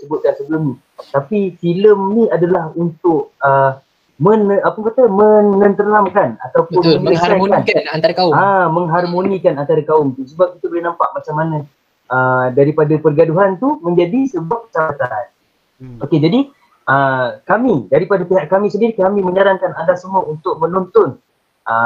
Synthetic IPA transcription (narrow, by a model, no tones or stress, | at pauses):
səbʊt̪̚dansəbləmnĩ | t̪apifiləmnĩadalahunt̪ʊʔə | mənəapəŋkat̪əməŋːənt̪əɾnamkana̰t̪awpʊnəaaanant̪aɾkaaməŋɦarmonĩkanant̪aɾakaʊmt̪usəbap̚kit̪ubolinampa̰ʔ̚mat͡ʃaŋmanã | ədaɾipadapərɡaduɦant̪umə̃ɲd͡ʒadisəbuapə̥t͡ʃapat̪an | oked͡ʒadi | ʔəkamidaɾipadapiɦaʔkamĩsəndiɾikamĩmə̃ɲaɾaŋkanandaʔsəmuaunt̪ʊk̚mənɔnt̪ɔn | ʔə